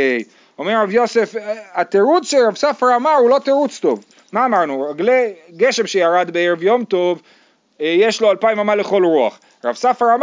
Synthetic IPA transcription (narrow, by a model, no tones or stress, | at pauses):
o̞meʁːavjo̞se̞fat̪eʁut͡sʃelʁavsafʁamaʁulo̞t̪eʁut͡st̪o̞v | maːmaʁnuʁaɡleɡe̞ʃe̞mʃejaʁad̪beeʁevjomt̪o̞v | jeʃlo̞alpaimamaleχo̞lʁua̰χ | ʁavsafʁam